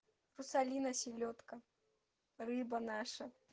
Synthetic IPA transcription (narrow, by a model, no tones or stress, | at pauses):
rusalʲinɐsʲilʲɔt̪kɐ | rɨbɐnaʂɐ